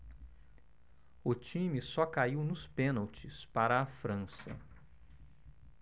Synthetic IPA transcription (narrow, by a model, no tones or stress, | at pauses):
ʊt͡ʃĩmisɔkaiwnʊspẽnawt͡ʃɪspaɾɐːfɾɐ̃sɐ̰